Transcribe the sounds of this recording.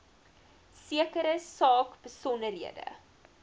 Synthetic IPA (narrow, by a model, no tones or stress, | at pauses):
siəkəɾəsɑːkb̥əsɔndəɾɦiədə̰